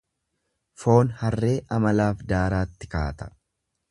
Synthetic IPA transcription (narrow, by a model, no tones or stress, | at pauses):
fo̞ːnhɐrːe̞ːʔɐmɐlaːfd̪aːɾaːt̪ːɪkaːt̪ɐ̥